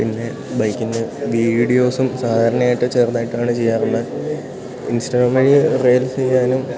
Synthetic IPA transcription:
pinːe̞ | bɐjkːindɨʋiːɽijo̞ːsumsaːd̪ʱaːɾɐɳɐaːjiʈːɨt͡ɕe̞ːrnaːjiʈːaːɳɨt͡ɕe̞jːaːruɳːɐ | insʈɐɡraːmɐɻireːlt͡ɕe̞jːaːnum

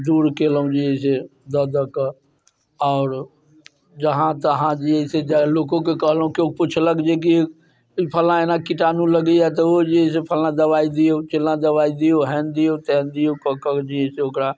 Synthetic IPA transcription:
d̪uːɾkeːləũd͡ʒiɦesed̪əd̪ək | ɔːɾ | d͡ʒəɦãt̪əɦãd͡ʒiəsed͡ʒaloːkõkekəɦlũkjopʊt͡ʃʰləɡd͡ʒek̬i | pʰəlãeːnãkɪʈaːnũləɡiat̪̬əod͡ʒiɦesepʰəlãd̪əʋaːid̪ɪjot͡ʃelãd̪əʋaːid̪ijoɦɛːnd̪ɪjot̪ɛnd̪ɪjokəkəkd͡ʒiɦeseʊkɾa

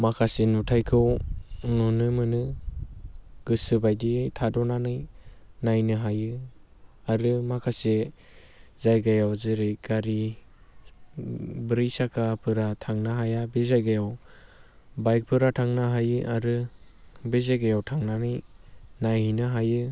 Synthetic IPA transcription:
makʰasenutʰajkʰɯwnunɯmɯnɯ | ɡ̥ɯsɯbajditʰadɔnanɯjnajnɯɦajɯ | aɾɯmakʰase | zajɡajawzɯɾɯɡ̥aɾi | bɯɾɯjsakʰapʰɯɾatʰaŋnaɦajabezajɡajaw | bajk̚pʰɯɾatʰaŋnaɦajɯʔaɾɯ | bezaɡajawtʰaŋnanɯjnajhijnɯɦajɯ

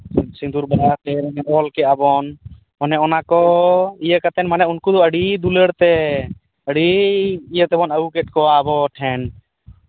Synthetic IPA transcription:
sĩnd̪uɾbaɾat̪ɛɾɛŋɛɔlkɛabɔn | ɔnɛɔnakɔijəkat̪ɛnmanɛunkud̪ɔəɽid̪uləɽt̪ɛ | əɽiijət̪ɛbɔnəukɛt̪̚ˀkɔaəbɔʈʰɛn

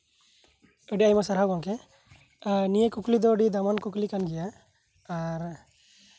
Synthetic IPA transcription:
əɽiajmasaɾɦaɡɔŋkɛ | nijekuklid̪ɔəɖid̪amankuklikanɡɛjaː | ɾ

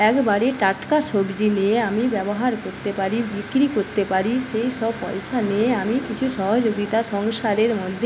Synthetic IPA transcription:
ɛkbaɾeʈaʈkaʃobd͡ʑineamibɛboɦaɾkoɾt̪epaɾibʱikɾikoɾt̪epaɾiʃejʃɔbpɔjʃaneamikit͡ɕʰuʃɔɦod͡ʑoɡit̪aʃɔŋʃaɾeɾmod̪ʱː

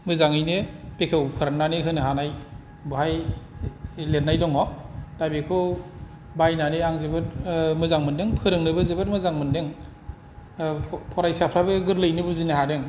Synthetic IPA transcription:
mɯzaŋɯjnɯpekʰewpʰɯɾananeɦɯnɯɦanaj | buhaj | let̚najdɔŋɔdabekʰɯ | bajnaneaŋzebɯtmɯzaŋmɯndɯŋpʰɯɾɯŋnɯbɯzebɯɾmɯzaŋmɯndɯŋ | pʰɔɾajsapʰɾabɯɡɯɾlɯjnɯbuzineɦadɯŋ

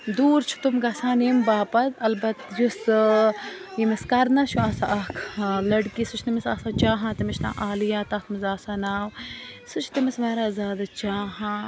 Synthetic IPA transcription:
d̪uːɾt͡ʃʰu̥t̪umɡɐsãːniːmbaːpɐzɐlbɐt̪jus | jimiskɐɾnɐt͡ʃʰuaːsaʔɐkʰlɐɽkisut͡ʃʰnimisa̰ːsaːt͡ʃaːɦãːt̪imit͡ʃʰnã̰ːʔaːlijaːt̪ɐkmɐzaːsaːnaːwsut͡ʃʰt̪imismaːɾaːzaːd̪at͡ʃaːɦãː

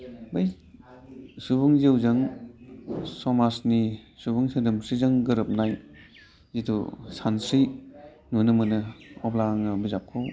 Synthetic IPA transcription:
baj | subuŋziwzɐŋ | sɔmasnisubuŋsɯdɯmsizaŋɡɯɾɯp̚naj | zitʰṵsansi | nunɯmɯnɯɔblaŋɯbizap̚kʰɔ

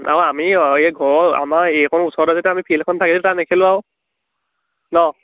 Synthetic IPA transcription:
a̰wamieɡʱɔɹɔa̰maekʰɔnusɔɹɾɔzetɛamipʰilkʰɔntʰakiltanekʰilʊaʊ | nɔ

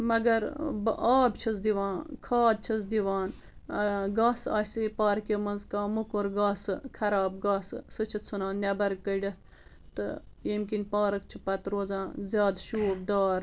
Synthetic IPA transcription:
mɐɡɐɾbaːbt͡ʃʰɐzd̪iʋãːnkʰaːd̪̚t͡ʃʰɐs̬d̪iʋaːn | ɡaːsa̰ːsipaːɾkemɐnzkãːmukoɾɡaːsɨkʰɐɾaːb̚ɡaːssɨt͡ʃʰit̪sʰunaːnnʲɐbɐɾkːəɖʲɐt̪ʰ | t̪ɨ̰ | jimkinʲpaːɾɐk̚t͡ʃʰipɐt̪ɾoːzãːzʲjaːd̪ʃuːb̚d̪aːɾ

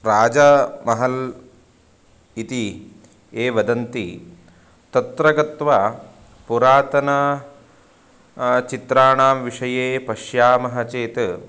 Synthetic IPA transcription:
ɾaːd͡ʒɐmɐɦɐl | it̪i | eːʋɐd̪ɐnt̪i | t̪ɐt̪ɾɐɡɐt̪ʋɐ | puɾaːt̪ɐnɐ | t͡ʃit̪ɾaːɳaːmʋiʂɐjeːpɐʃjaːmɐɦɐt͡ʃeːt̪

